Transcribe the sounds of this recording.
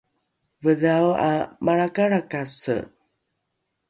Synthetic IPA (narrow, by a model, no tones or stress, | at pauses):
vəðawa̰maɭakaɾakasə̰